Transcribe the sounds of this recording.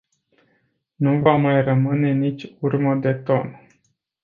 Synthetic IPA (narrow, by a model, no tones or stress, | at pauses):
nuvamajrəmɨne̞nit͡ʃʲurməd̪e̞t̪o̞n